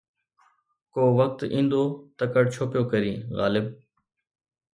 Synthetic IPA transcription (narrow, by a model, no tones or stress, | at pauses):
koːʋək̚t̪ĩːnd̪oːt̪əkəʈ̚t͡ʃʰoːpjoːkəɾiːɣa̰ːlɪb